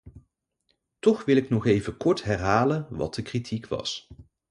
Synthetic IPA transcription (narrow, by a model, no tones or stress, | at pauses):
tɔχʋɪlɪknɔχejvəkɔɹtɦɛrɦaːlənʋɑ̰t̚dəkritʰikʋɑ̰s